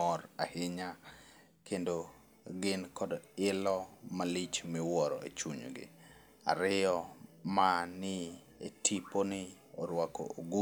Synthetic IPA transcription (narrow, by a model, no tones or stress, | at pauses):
ɔɾahɪɲa | kʰendo | ɡɪnkɔdɪlɔmalit͡ʃmɪwɔɾɔ̰ḛt͡ʃuɲɡɪ̰ | a̰ɾɪɔmanɪ | etʰiponɪ | ɔɾwako̰oɡu